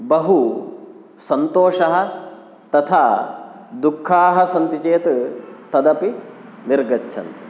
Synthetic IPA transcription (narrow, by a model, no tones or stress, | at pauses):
bɐɦu | sɐnt̪oːʃɐɦɐ̆ | t̪ɐt̪ʰaː | d̪ukʰːaːɦɐsɐnt̪it͡ʃeːt̪t̪ɐd̪ɐpiniɾɡɐtːʃʰɐ̰nt̪